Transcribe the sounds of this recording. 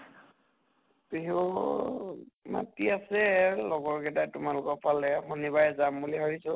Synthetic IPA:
piɦu | ma̰tiasɛlɔɡɔɹkɛtajtʊmalʊkɔpʰalɛxonibajzambuliɦɔɹisɔ

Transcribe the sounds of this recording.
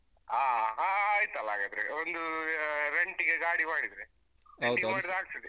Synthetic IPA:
aːɦaaːjt̪ɐlːaːɡɐd̪ɾḛond̪uɾeɳʈiɡeɡaːɽimaːɽid̪ɾe | ɐwdʈimaːɽid̪aːɡ̚t̪id̪i

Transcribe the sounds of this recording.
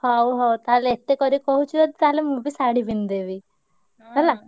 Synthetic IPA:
hɔwɦɔwt̪aɦaleːt̪ekɔɾikɔɦut͡ʃʰit̪ad̪t̪aɦalemũbisaɽibind̪ebi | ɡɛla

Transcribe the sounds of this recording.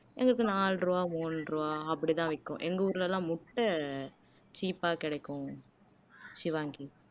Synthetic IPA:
ʔɛ̰ŋɡɐɾɯkːɯnaːlɾuaːmuːnɾuaːɐpːɐɽit̪ãːʋɪkːʊ̰̃ʔɛŋɡɐuːɾɯlɛlãːmʊʈːɐ | t͡ʃiːpaːkɪɽɐɪkːʊ̃ | ʃɪʋaːŋɡi

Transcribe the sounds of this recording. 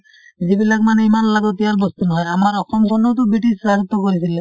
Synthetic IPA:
d͡ʑibilakmaneimanlaɡot̪iaɾbost̪unɔɦɔejamaɾɔxʰɔmkʰonot̪̬obiʈisɾad͡ʑot̪ːokoɾisʰile

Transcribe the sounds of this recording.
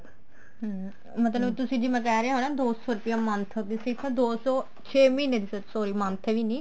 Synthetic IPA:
ɦ | mət̪ləbt̪ʊsĩːd͡ʒiːmɛ̃ːkɛːɾeaːɦoːnãːd̪oːsɔːɾʊpɪjãːmənt̪ʰəd̪isɪkʰad̪oːsɔː | t͡ʃʰeːmĩːneːd̪iːsot͡ʃsoːɾiːmənt̪ʰɛʋiːnĩː

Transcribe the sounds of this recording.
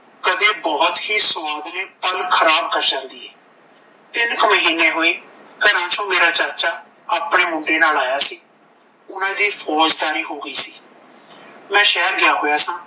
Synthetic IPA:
kəd̪eːbɔːət̪hiːsʊaːd̪neːpəlkʰəɾaːb̚kəɾd͡ʒãːnd̪iːɦɛː | t̪ɪnkməɦiːneːɦoːeːkənãːt͡ʃõːmeːɾaːt͡ʃəɾt͡ʃaː | aːpɽeːmʊɳɖeːnaːlaːjaːsiː | ʊnãːd̪iːpʰɔːd͡ʒd̪aːɾiːɦoːɡəiːsiː | mɛ̃ːʃɛːɾɡɪaːɦoːjaːsãː

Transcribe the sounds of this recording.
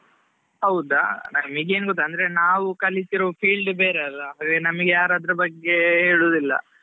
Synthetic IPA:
ɦɐwd̪a̰nɐmiɡeːnɡot̪ːɐnd̪ɐɾenaːʋukɐlːit̪iɾoːpʰiːɭɖbeːɾeɐlːaɦaːɡenɐmɐɡejaːɾad̪ɾɐbɐɡːe̞ɦeːɭuːd̪ilːɐ̰

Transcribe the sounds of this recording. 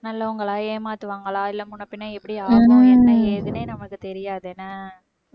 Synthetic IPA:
nɐlːɐʊŋɡɐɭãːjeːmaːt̪ɯʋaːŋɡɐɭãːɪlːɐmʊɳːɐpːɪnːaːɛpːɐɽiaɣõɛnːɐeːðɯneːnɐmɐɭɯkːɯt̪ɛɾɪjaːðɯɛnːaː

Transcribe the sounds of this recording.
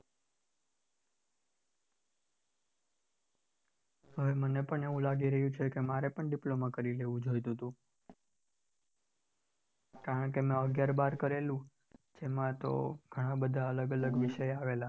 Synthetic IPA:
ɦəʋemənepəɳeʋũlaɡiɾəɦjũt͡ʃʰekemaɾepəɳɖiplomãkəɾileʋũd͡ʒojt̪ut̪ũ | kaɾəɳkemẽəɡjaɾbaɾkəɾelũ | d͡ʒemãt̪o̰ɡʱəɽ̃ãbəd̪ʱaələɡələɡʋiʃəjaʋela

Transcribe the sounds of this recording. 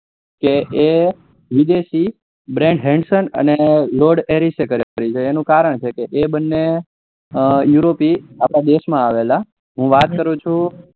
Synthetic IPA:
keʔe | ʋid̪eʃi | bɾɛ̃ɳɖɦɛ̃ɳɖsənə̰neloɖeɾisekəɾkəɾit͡ʃʰeːnũkaɾəɳt͡ʃʰekeʔebənːe | juɾopiapɽad̪eʃmãaʋela | ɦũʋat̪̚kəɾũt͡ʃʰũ

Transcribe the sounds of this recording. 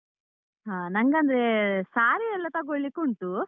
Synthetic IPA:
ɦaːnɐŋɡɐnd̪ɾesaːɾiɛlːɐt̪aɡoɭːikːuːɳʈu

